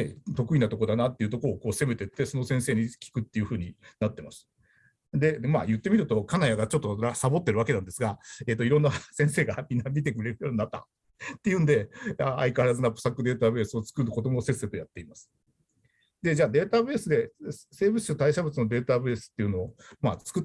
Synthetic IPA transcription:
et̪o̞kɯ̟inat̪o̞ko̞d̪anat̪ːe̞iɯ̟t̪o̞koɾoːko̞ːse̞me̞t̪e̞t̪ːe̞so̞no̞sẽɰ̃se̞ːɲ̟ikʲi̥kɯ̟t̪ːe̞jɯ̟ɸɯ̟ːɲ̟inat̪ːe̞mas | d̪e̞majɯ̟t̪ːe̞mʲiɾɯ̟t̪o̞kanajaɡat͡ɕo̞t̪ːo̞asabo̞t̪ːe̞ɾɯ̟βake̞nãnd̪e̞sɨɡae̞ːt̪oiɾo̞nːasẽ̞ɰ̃se̞ːɡamʲĩnːamʲit̪e̞kɯɾe̞ɾɯ̟joːɲʲinat̪ːa̰ | t̪ːe̞jɯ̟̃nd̪e̞aaikaɾazɨnapɯ̟̥sakːɯ̟d̪e̞ːt̪aːbe̞ːsɨo̞t͡sɨ̥kɯd̪ɯko̞d̪o̞mose̞se̞t̪o̞jat̪ːe̞imasɨ̥ | d̪e̞d͡ʑaːd̪e̞ːt̪abɯesɨd̪e̞se̞ːbɯsɕot̪aiɕabɯ̟t͡sɨno̞d̪e̞ːt̪abɯ̟esɨ̥t̪ːe̞iɯ̟no̞ːmat͡sɨ̥kɯ̟

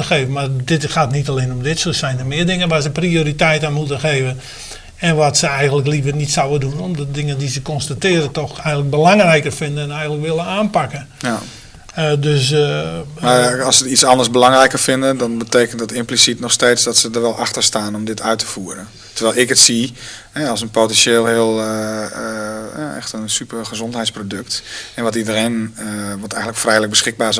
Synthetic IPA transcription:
əxeːvənmardɪtxaːtnitaleːnɔmdɪtsosɛjndərmɪːədɪŋənʋaːsəprioːɾitɛjtənmutəxeːvən | ɛnʋatsəɛjɣəntləklivərnitsawədunɔmdədɪŋədizəkɔnstatɪːɾətɔxɛjɣəntlək̚bəlaŋrɛjkərfɪndəɛnɛjɣənləkʋɪlˠənaːnpakə | døs | maɑlˠsətitsɑndərsbəlaŋrɛjkərfɪndədɔnbəteːkəntdətɪmplisitnɔxsteːtsdɔtsədərʋɛlˠʔaxtərstaːnɔmdɪtʰœɥtə̥fuːəɾə | tərʋɛlˠɪkətsi | hɛɔlˠsənpotɛnseːlˠhɪəlˠ | a̰ɛ̰xtənsypərxəzɔntɦɛjtsprodɵk̚tɛnʋɔtidəreːnʋɔtɛjɣəntləkfrɛjlək̚bəsxɪk̚baːs

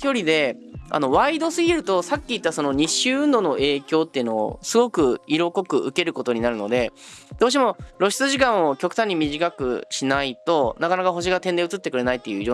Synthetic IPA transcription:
kʲo̞ɾʲid̪e̞ | a̰no̞βaid̪o̞sɨɡʲiɾɯ̟t̪o̞sakʲːiit̪ːaso̞no̞ɲ̟iɕːɨːɯ̟nd̪o̞ːnoe̞ːkʲo̞ːt̪ːe̞iɯ̟no̞o̰sɨɡo̞kɯ̟iɾo̞ko̞kɯ̟ʔɯ̟ke̞ɾɯ̟ko̞t̪o̞ɲ̟inaɾɯ̟no̞̰d̪e̞d̪̥o̞ːɕ̬imo̞ɾo̞ɕi̥t͡sɨʑikãɰ̃okʲo̞kɯ̟̥t̪ãɲ̟ːimʲiʑikakɯ̟̰ɕinait̪o̞nakanakaɦo̞ɕ̬iɡat̪ẽ̞nd̪e̞ɯ̟t͡sɨt̪ːe̞kɯɾe̞nait̪ːejɯ̟io

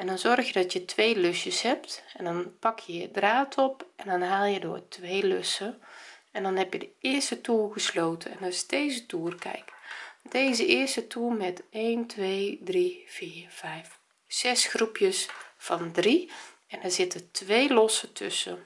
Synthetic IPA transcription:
ɛndɔnzɔrxjədɔtjətʰʋeːløsjəshɛp̚tɛndɔnpɑkjəədraːtʰɔpɛndɔnɦaːlˠjədʊ̰ːɹtʋejløsəɛndɔnɦɛpjədəɪərstətuːlˠɣəsloːtʰəɛ̰nɑsdeːzətuːrkɛ̰jkdeːzəɪərstətuːlˠmɛteːntʰʋeːdriv̥iːv̥ɛjf | sɛsxrupjəsfɑndri | ɛndazɪtətʋeːlɔsətʰɵ̰sə

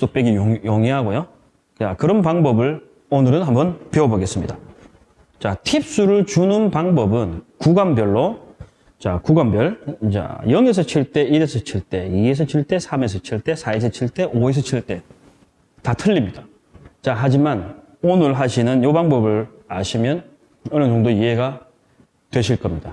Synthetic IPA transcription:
s͈ok̚p͈eɡijoŋiɦaɡojo | akɯɾʌnpaŋbʌbɯɭ | onɯɾɯnhambʌnpeobʌɡe̞s͈ɯmɲida | t͡ɕatʰip̚s͈uɾɯɭt͡ɕunɯnpaŋbʌbɯnkuɡambjʌɭːo | t͡ɕa̰kuɡambjʌɭt͡ɕa̰jʌŋes̬ʰʌt͡ɕʰiɭt͈e̞iɾesʰʌt͡ɕʰiɭt͈e̞ies̬ʰʌt͡ɕʰiɭt͈e̞sʰamesʰʌt͡ɕʰiɭt͈e̞sʰaesʰʌt͡ɕʰiɭt͈e̞ʔoes̬ʰʌt͡ɕʰiɭt͈e̞ | tatʰɯʎːimɲida | t͡ɕaɦad͡ʑiman | onɯɭɦaɕʰinɯnjobaŋbʌbɯɭaɕʰimjʌn | ɯɾʌnd͡ʑoŋdoiɦe̞ɡa | twe̞ɕʰiɭk͈ʌmɲid̥a

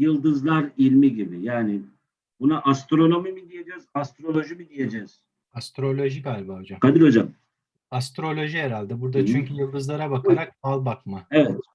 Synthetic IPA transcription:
jɯlˠd̪ɯzlˠaɾilʲmiɟibijaːnɪ | bunaʔast̪ɾo̞no̞mimid̪ije̞d͡ʒɛzast̪ɾo̞lʲo̞ʒimid̪ije̞d͡ʒɛz̥ | ast̪ɾo̞lʲo̞ʒiɡaːlʲbaod͡ʒamkʰad̪iɾo̞d͡ʒam | ast̪ɾo̞lʲo̞ʒijeɾalʲd̪ibuɾd̪at͡ʃʰyɲcʰyjɯlˠd̪ɯzlˠaɾabakʰaɾak̚balˠbakmaevɛt̪

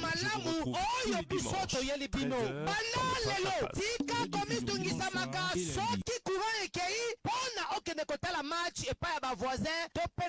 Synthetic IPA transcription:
malamuojobisotojelibinobandalelotikakomituŋɡisamakasɔkikuʁãekejiponaʔokɛndɛkotalamat͡ʃepaijabavwazɛ̃topɛ

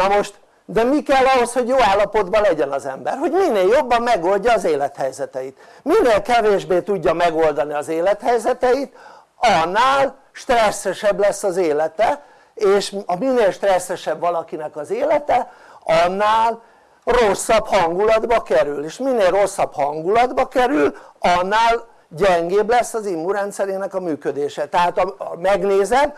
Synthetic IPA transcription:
nɒmoʃt̪ | d̪ɛmikɛlːɒɦo̞sho̞ɟjoːaːlːɒpo̞d̪bɒlɛɟɛnɒzɛmbɛrho̞ɟminːeːljo̞bːɒmːɛɡo̞lɟɒːzeːlɛt̪hɛjzɛt̪ɛjit̪minːeːlkɛveːʒbeːt̪uɟːɒmɛɡo̞ld̪ɒniɒzeːlɛt̪hɛjzɛt̪ɛit̪ | ɒnːaːl | ʃt̪rɛsːɛʃɛblɛsːɒzeːlɛt̪ɛ | eːʃɒminːeːlʃt̪rɛsːɛʃɛbvɒlɒkinɛkɒzeːlɛt̪ɛɒnːaːl | rosːɒphɒŋɡulɒd̪bɒkɛɾyleːʃminːeːlrro̞sːɒbhɒŋɡulɒd̪bɒkɛɾylɒnːaːl | ɟɛŋɡeːblɛsːɒzimːuɾɛnt̪sɛɾeːnɛkɒmyːkød̪eːʃɛt̪ɛɦaːt̪ɒmɛɡneːzɛm

